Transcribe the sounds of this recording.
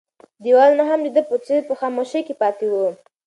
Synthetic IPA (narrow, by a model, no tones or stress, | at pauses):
d̪iwɑlnaɦamd̪id̪əpət͡sepəxɑmoʃekepɑt̪iwo